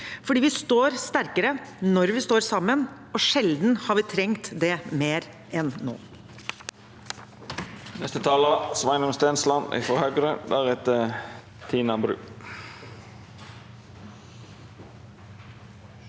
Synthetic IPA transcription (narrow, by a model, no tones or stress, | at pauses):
fɔɖiːʋɪst̪oːɾst̪æɾkəɾənɔɾʋɪst̪oːɾsɑmːən | ɔʂɛld̪n̩hɑɾʋɪːt̪ʰɾɛŋt̪d̪ɛmeːɾ | ʔɛnːo̰ː | nɛst̪ət̪ʰɑːləsʋɑɪnʊmst̪eːnslɑnʔɪ̰fɔhøːɡɾəd̪æʁɛt̪ə | t̪ʰiːnɑbɾʉ̰ː